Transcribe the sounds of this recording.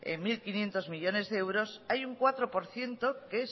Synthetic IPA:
ḛŋmilkinje̞nt̪o̞zmiʎo̞ne̞zðeewɾo̞sajuŋkwat̪ɾopoɾθje̞nt̪okes

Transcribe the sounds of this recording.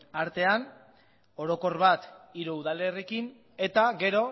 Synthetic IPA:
aɾt̪e̞an | o̞ɾo̞ko̞rβat̪iɾuuðalerekin | e̞t̪aɡe̞ɾo̞

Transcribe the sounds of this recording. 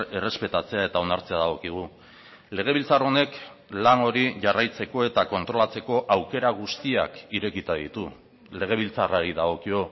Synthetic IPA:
e̞re̞spe̞t̪at͡se̞ae̞t̪aonaɾt͡se̞aðaɣ̞o̞kiɣ̞u | le̞ɣ̞e̞β̞ilt͡saro̞ne̞klaŋo̞ɾiʝarajt͡se̞ko̞e̞t̪ako̞nt̪ɾo̞lat͡se̞ko̞ʔawke̞ɾaɣ̞ust̪ia̰kiɾe̞kit̪aðit̪u | le̞ɣ̞e̞β̞ilt͡saraɾiðaɣ̞o̞kio̞

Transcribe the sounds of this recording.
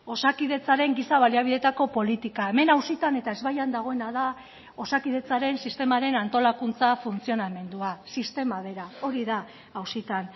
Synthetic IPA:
o̞sakiðe̞t͡saɾe̞ŋɡisaβaliaβ̞iðe̞t̪ako̞po̞lit̪ikae̞me̞nawsit̪ane̞t̪ae̞zβajand̪aɣ̞o̞e̞naða | o̞sakiðe̞t͡saɾe̞nsist̪e̞maɾe̞nant̪o̞lakunt͡safunt͡sio̞name̞nd̪uasist̪e̞mað̞e̞ɾao̞ɾiða | awsit̪an

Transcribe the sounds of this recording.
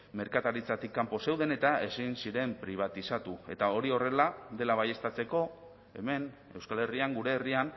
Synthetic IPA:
me̞ɾkat̪aɾit͡sat̪ikːampo̞se̞wðe̞ne̞t̪ae̞sinsiɾe̞mpɾiβ̞at̪isat̪ue̞t̪ao̞ɾio̞re̞laðe̞laβ̞aje̞st̪at͡se̞ko̞ | e̞me̞n | e̞wskale̞riaŋɡuɾe̞ːrian

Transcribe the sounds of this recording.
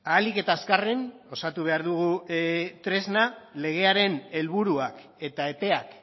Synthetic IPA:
aːlike̞t̪aeskareno̞sat̪uβ̞e̞aɾðuɣ̞ut̪ɾe̞znale̞ɣ̞e̞aɾe̞ne̞lβuɾuak | e̞t̪ae̞pe̞ak

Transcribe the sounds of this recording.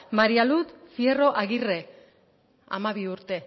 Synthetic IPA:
maɾialut̪fjero̞ʔaɣire̞ | a̰maβ̞iuɾt̪e̞

